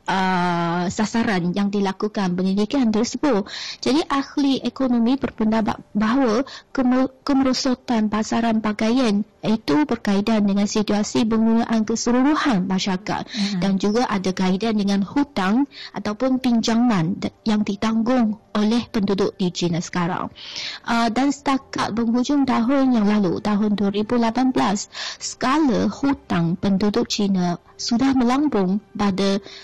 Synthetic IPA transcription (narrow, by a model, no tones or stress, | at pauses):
ʔə | sasaɾanjaŋdilakukanpənilikiant̪ərsəbʊt̚d͡ʒadiʔahliʔekonõmĩbərpəndaba̰ʔ̪baɦawakkəməɾosot̪anpasaɾanbaɡajanit̪ubərkaidandəŋãnsit̪uasipəŋɡunãʔankəsəluɾuhanmãʃaka̰t̪̚dand͡ʒuɡaʔadaɡaidandəŋãnhut̪aŋʔat̪awpʊnpiɲd͡ʒaŋãnjaŋdit̪aŋɡʊŋolɛhpəndudʊʔ̚dit͡ʃinasə̥kaɾa̰ŋʔədansə̥t̪aka̰t̪̚bəŋɦud͡ʒʊŋt̪aɦʊnjaŋlalṵt̪aɦʊnduaɾibulapanbəlasːə̥kaləhut̪aŋpəndudʊʔ̚t͡ʃinã | sudahmə̃lambʊŋpada